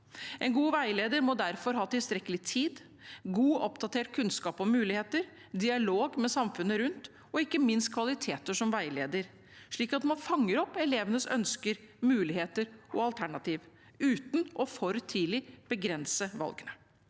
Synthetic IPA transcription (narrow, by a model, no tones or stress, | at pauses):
ʔɛnɡuːʋæɪleːd̪əɾmɔd̪æɾfɔɾɦɑːt̪ɪlst̪ɾɛkːəlɪt̪ʰiːd̪ | ɡuːɔpd̪ɑt̪eːʈ̚kʰʉnskɑːpɔmʉːlɪheːt̪əɾ | d̪ɪɑloːɡmɛsɑmfʉnːəɾʉnt̪ | ɔɪkːəmɪnst̪̚kʰʋɑlɪt̪ʰeːt̪əʂɔmʋæɪleːd̪əɾ | ʂɭiːkɑt̪mɑnfɑŋːəɾɔpːɛleːʋənəsœ̰nskəɾmʉːlɪheːt̪əɾɔɑlt̪ʰæɳɑt̪iːʋ | ʉːt̪n̩ʔɔfɔɾt̪ʰiːlɪb̥əɡɾɛnsəʋɑ̰lɡənə